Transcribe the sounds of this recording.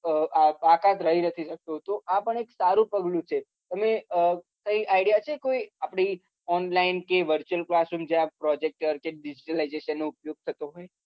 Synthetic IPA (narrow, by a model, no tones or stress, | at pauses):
əapakãt̪ɾəɦinət̪ʰiʃək̚t̪ot̪oʔapəɳeksaɾũpəɡlũt͡ʃʰe | t̪əmeə | kəiʔaiɽjat͡ʃʰekoiapɽ̃i | ɔnlainkeʋəɾt͡ʃuəlklasumd͡ʒjãpɾɔd͡ʒek̚ʈəɾkeɖid͡ʒiʈəlaizeʃənːoupjoɡ̚t̪ʰət̪oɦoj